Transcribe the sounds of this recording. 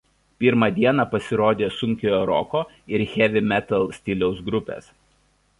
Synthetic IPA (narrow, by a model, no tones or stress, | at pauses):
pʲɪɾmɑd̪ʲiɛnɑpɐsʲɪɾoːd̪ʲeːsʊŋʲkʲojoːɾɔ̰koː | ɪɾxʲɛʋʲɪmʲɛt̪ɐlˠsʲt̪ʲɪlʲɛʊsɡɾʊpʲḛːs